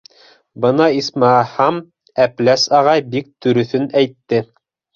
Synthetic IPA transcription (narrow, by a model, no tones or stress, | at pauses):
bɤ̆nɑismɑhɑm | æplæsɑʁɑjbik̚t̪ɵ̆ɾɵ̆θɵnæjt̪ːɘ